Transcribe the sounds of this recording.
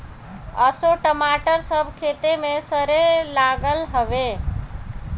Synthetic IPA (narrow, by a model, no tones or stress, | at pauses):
əsoʈəmaʈəɾsəbʱkʰet̪emesəɾelaɡəlɦəbe